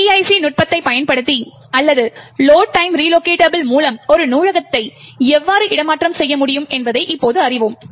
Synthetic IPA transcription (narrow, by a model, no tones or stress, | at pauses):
iɐɪsinʊʈ̚pɐt̪ːɐɪpɐjɐnpɐɽɯt̪ːi | ɐlːɐðɯloːʈːɐɪmɾiːloːkeːʈɐbɪlmuːlɐmɔɾɯnuːɻɐɣɐt̪ːɐɪɛʋːaːɾɯʔɪɽɐmaːʈrɐmsɛjːɐmʊɽɪjɯmɛnbɐðɐɪʔɪpːoːðɯɐrɪʋɯm